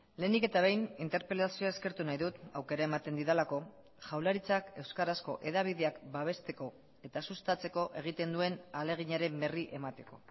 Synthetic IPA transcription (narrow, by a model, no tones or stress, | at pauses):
le̞ːnike̞t̪aβ̞e̞jnint̪e̞ɾpɾelasioaeske̞ɾt̪unajðut̪awke̞ɾae̞mat̪e̞nd̪iðalako̞ | ʝawlaɾit͡sake̞wskaɾasko̞̰ʔe̞ðaβ̞iðe̞akbaβ̞e̞st̪e̞ko̞ | e̞t̪asust̪at͡se̞ko̞ʔe̞ɣ̞it̪e̞nd̪ue̞nale̞ɣ̞iɲaɾe̞mbe̞riʔe̞mat̪e̞ko̞